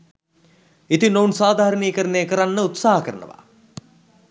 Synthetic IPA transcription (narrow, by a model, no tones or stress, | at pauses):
it̪inounsaːd̪ʱaːɾəniːkəɾəneːkəɾanːəut̪saːɦɐkəɾənə̰ʋa̰